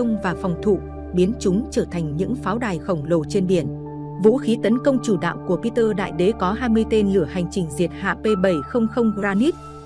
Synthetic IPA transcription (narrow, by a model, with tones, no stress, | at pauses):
ə˧wŋ͡mvaː˨˩fɔ˨˩wŋ͡mt̪ʰṵ˧˨ | ɓi˨˦ənt͡ɕʊ˨˦ŋ͡mt͡ɕəː˧˩t̪ʰa˨˩jŋ̟ɲɨ̰˧˥ŋfaː˨˦wɗaː˨˩jxə˧˩wŋ͡mlo˨˩t͡ɕe˧nɓi˧˩ən | vṵ˧˥xi˨˦t̪ə˨˦nkə˧wŋ͡mt͡ɕu˧˩ɗa̰ː˧˨wŋ͡mku˧˩əpi˧t̪əː˧ɗa̰ː˧˨jɗe˨˦kɔ˨˦ɦaː˧jmɨ˧əjt̪e˧nlɨ˧˩əha˨˩jŋ̟t͡ɕï˨˩ŋ̟zi˨˩ət̚ha̰ː˧˨pe˧ɓə˧˩jxə˧wŋ͡mxə˧wŋ͡mzaː˧ni˦˥t̚